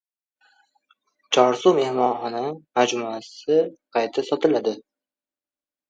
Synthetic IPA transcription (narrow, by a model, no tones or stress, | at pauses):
t͡ʃʰɒɾsume̞hmɒnχɒnamad͡ʒmuasɪqʰɑjt̪ʰasɒt̪ʰɪlad̪ɪ